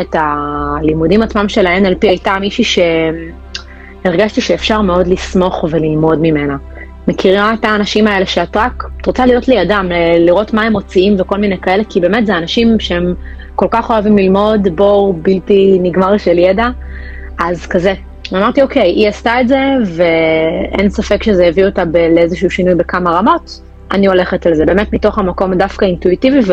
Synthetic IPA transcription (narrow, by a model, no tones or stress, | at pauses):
etalimudimat͡smamʃe̞laenalpiajtamiʃiʃe̞ | eʁɡaʃtiʃeːfʃaʁme̞o̞dlismo̞χve̞lilmo̞dmime̞na | me̞kʰiʁiataːnaʃimaele̞ʃeat̪ʁaktʁot͡salijo̞tlejadamleliʁo̞tmae̞mo̞t͡siimveko̞lminejkae̞le̞kibe̞ːme̞tzeanaʃimʃeem | ko̞lkaχo̞avimlilmo̞dbo̞biltiniɡmaʁiʃeljeda | ʔazkaze | amaʁtio̞ke̞jʔiastaetze̞ve̞ensafekʃezejevio̞tabeleezeʃuuʃinujbe̞kamaʁamo̞t | anio̞le̞χetalzebe̞ːmetmito̞χamako̞mdafkaintuitiviv